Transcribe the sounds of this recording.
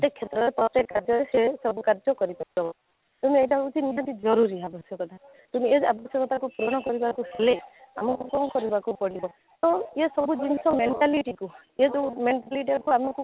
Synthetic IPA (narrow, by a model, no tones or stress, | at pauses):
t̪ekʰjet̪ɾɔɾepɾɔt̪ekːaɾd͡ʒɔɾesesɔbukaɾd͡ʒɔkɔɾipɔɾid͡ʒɔbɔ | t̪umiejʈaɦɔkut͡ʃʰiniɦat̪id͡ʒɔɾuɾiabʱɔsjɔkɔt̪ʰa | t̪umied͡ʒabʱɔsjɔkɔt̪ʰakupɾoɽ̃ɔkɔɾibakuselea̰mɔkukɔw̃kɔɾibakupɔɽibɔ | t̪ɔesɔbud͡ʒinisɔmeɳʈaliʈiku | ed͡ʒmeɳʈaliʈ̬iakuamɔku